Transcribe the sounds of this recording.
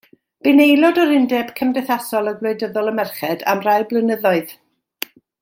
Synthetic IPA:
b̥ɪnejlˠɔdɔɾɪndɛb̥kʰəmdɛθasɔlˠəɡlˠoɨdəðɔlˠəmɛrχɛda̰mraɨblənəðɔɨð

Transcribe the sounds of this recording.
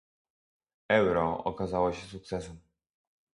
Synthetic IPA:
ɛwɾɔɔ̰kazawɔɕɛs̬uk̚t̪sɛsɛm

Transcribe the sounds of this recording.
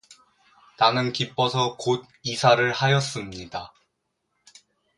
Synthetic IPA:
nanɯnkip͈ʌsʰʌkod̚isʰaɾɯɭhajʌs͈ɯmɲida

